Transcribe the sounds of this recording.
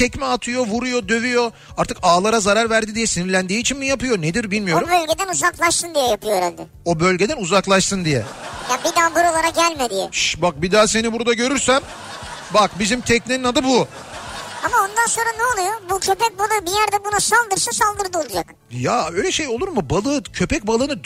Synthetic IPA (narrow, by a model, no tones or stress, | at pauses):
t̪ʰɛcmɛat̪ʰɯjo̞vuɾujo̞d̪ø̞vyjo̞ | aɾt̪ʰɯkaːlˠaɾazaɾaɾvæɾd̪id̪ijɛsiniɾlʲænd̪iːt͡ʃʰinmijapɯjo̞ned̪iɾbilʲmijo̞ɾubølʲɟed̪ænuzaklˠaʃsɯnd̪ijɛjapʰɯjo̞ɾɛ̰nd̪ɪ | o̞bø̞lʲɟe̞d̪ænuzaklˠaʃsɯnd̪ijɛ̰jabid̪aːbuɾolˠaɾak̚ɟælʲmed̪ijɛ̰ʃbak̚bid̪aːse̞nibuɾd̪aɟø̞ɾyɾsæm | bakbizimt̪ʰɛc̚neninad̪ɯbu | amao̞nd̪anso̞nɾanɛolˠujobucʰø̞pɛc̚balˠɯbijæɾd̪ɛbunasalˠd̪ɯɾsasalˠd̪ɯɾd̪ɯolˠud͡ʒak | jaøjlʲɛʃe̞jo̞lˠuɾmubalˠɯːcʰø̞pɛc̚balˠɯnɯ